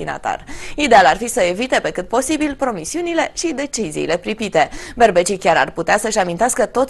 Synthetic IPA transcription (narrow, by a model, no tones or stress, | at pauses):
ina̰t̪a̰rid̪e̞alarfisəe̞vit̪e̞pe̞kɨt̪̚po̞sibilpɾo̞misiunile̞ʃid̪e̞t͡ʃizḭːle̞pɾipit̪e̞be̞rbe̞t͡ʃikʲaɾa̰rput̪easəʃamint̪easkət̪o̞t̪